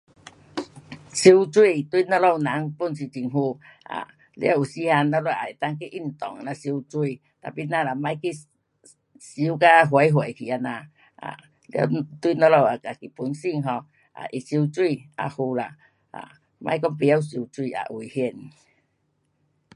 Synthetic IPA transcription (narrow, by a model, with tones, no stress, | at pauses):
si˧wt͡swi˥˧˨t̪wi˧˨nɔ˧lo˧˨wnã˨˦ŋpu˧˨nsi˧t͡ɕi˨˩ŋɦu˧ʔa̰˨ | lḭ˦˧˦a˧˨u˨˩si˦ha˧nla˧˦lwa˧˨a˨e˨t̪a˦˧˨ŋki˦ʔi˧˩n˨t̪ɔ˨ŋa˨nã˧si˧wt͡swi˧˨ | t̪a˨˩pi˧˨nã˧la˨mã˧˦jki˦ | si˨˦ka˦˧ɦwe˨˧˦jɦwe˨kʰi˨a˧nã˧ | a̰˨ | la̰˧t̪wi˧nɔ˧lo˧˨wa˨˩ka˨ki˨pu˨˦nsi˧˨ŋɦɔ˧ | ʔa̰˨ʔi˧˨si˧wt͡swi˧˨a̰˨hu˧la̰˨ | ʔa̰˨ | mã˧˦jkɔ˦ŋpi˧˨a˧˨wsi˧wt͡swi˧a̰˨ʔwi˨hje˧˨n